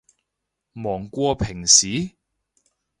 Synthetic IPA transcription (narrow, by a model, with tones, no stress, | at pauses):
mɔː˨˩ŋkʷɔː˧pʰɪ˨˩ŋsiː˨˦